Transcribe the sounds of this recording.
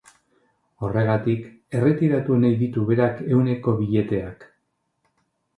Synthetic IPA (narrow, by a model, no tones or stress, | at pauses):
o̞re̞ɣat̪ik | e̞re̞t̪iɾat̪unajðit̪uβe̞ɾake̞wne̞ko̞βiʎe̞t̪e̞ak